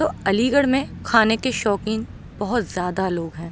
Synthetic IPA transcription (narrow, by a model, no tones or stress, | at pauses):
t̪oɐliːɡəɽmẽkʰaːnekeʃɔːkɪ̃ŋ | bɐɦʊt̪zjaːd̪aloːɡɦɛ̃ː